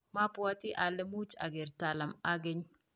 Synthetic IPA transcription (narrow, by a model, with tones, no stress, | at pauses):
ma˦puwa˦t̪i˦ʔa˨lɛ˦mu˦t͡ʃa̰˨ɡe˨ɾt̪a˨lɐ˨ma˦ɡe˦ɲ